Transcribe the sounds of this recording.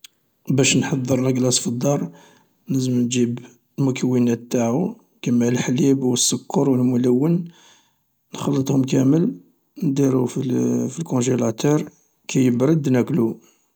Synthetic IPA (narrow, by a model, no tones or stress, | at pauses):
bæʃnħɑd̪ˤːəɾˤlæɡlɑsfid̪ˤːɑɾˤ | nəzːəmnd͡ʒib | lmʊkʰəwːinæt̪ːaʕu | kæmːæʕlħlibwəsːʊkʰːəɾˤwəlmʊlæwːən | nxɑlːət̪ˤhʊmkæməl | nd̪iɾufifilkɔ̃ʒelæt̪ɑɾˤ | kæjəbɾəd̪næklu